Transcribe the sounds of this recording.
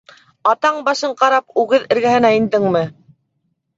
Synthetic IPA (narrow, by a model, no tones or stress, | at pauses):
ɑt̪ɑɴbɑʃɤɴqɑɾɑpʉɣɘðɘ̆ɾɡæhɘ̆næind̪ɘŋmɘ